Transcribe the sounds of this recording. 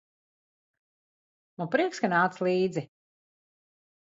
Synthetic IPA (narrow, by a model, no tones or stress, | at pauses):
nupɾiɛkskanaːt̪slˠiːd̪zi